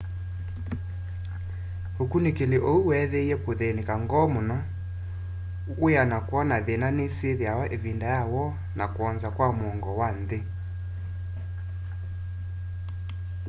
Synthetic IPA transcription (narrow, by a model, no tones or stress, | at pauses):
okunekeleʔouwɛðɛiɛkoðenekaŋɡɔmonɔ | ojanakwɔnaðenaneseðjawaʔevindajawɔ | nakoɔnzakwamwɔŋɡɔwanðe